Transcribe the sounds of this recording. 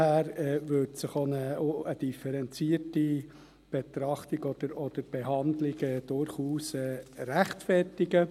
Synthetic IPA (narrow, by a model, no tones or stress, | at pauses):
hæːɾɛːvʏtsɪχonəoəd̥ifɛɾɛnt͡siəti | b̥et̪ɾɑχt̪ɪɡɔd̥̪əɾɔd̥əɾb̥eɦɑndlɪɡɛːd̥ʊɾχuːsɛːɾæχtfɛrtɪɡə